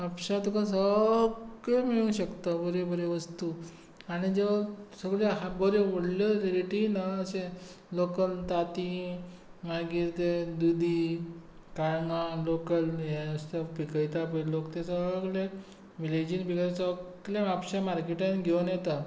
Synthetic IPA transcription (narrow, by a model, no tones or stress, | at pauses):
apɕat̪ukasə | ɡɭemiɭũɕəkt̪abəɾebəɾeʋəst̪u | aɽ̃id͡zesəɡɭeɦabəɾeʋəɽljəleɾiʈinaːsẽ | lokəlt̪at̪i | maɡiːɾt̪ed̪ud̪i | kaɭŋɡãlokəljest̪əpikəjt̪apəlokt̪esəɡɭe | ʋiled͡ʑiːnpikt̪asəɡljaʋapɕamaɾkeʈãnɡʱenjet̪a